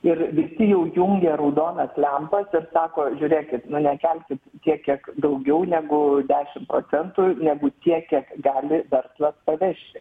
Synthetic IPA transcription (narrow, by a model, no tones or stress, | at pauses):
ɪrʋʲɪsʲɪjɛʊjuŋʲɡʲɛːɾɐʊd̪oːnɐslʲɛmpɐsɪrsɑːkoːʒʲuːɾʲeːkʲɪt̪nʊnʲɛkʲælʲkʲɪt̪t̪ʲiɛkʲiɛkd̪ɐʊɡʲɛʊnʲæɡʊd̪ʲæːʃʲɪmproːt͡s̪ʲɛnt̪unʲæɡʊt̪ʲiɛkʲiɛkɡɑːlʲɪʋʲɛrslˠɐspɐʋʲɛʃʲtʲɪ